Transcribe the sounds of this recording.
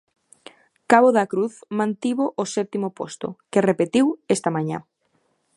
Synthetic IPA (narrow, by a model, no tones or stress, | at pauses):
kaβoðakɾuθmãnt̪iβoʔosɛp̚t̪imopo̰st̪o̰kerepet̪iwest̪amãɲã̰